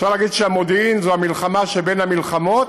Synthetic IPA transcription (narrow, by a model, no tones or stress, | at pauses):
ʃaʁlaːɡid̪ʃeamod̪inzoamilχamaʃebe̞nhamilχamot̪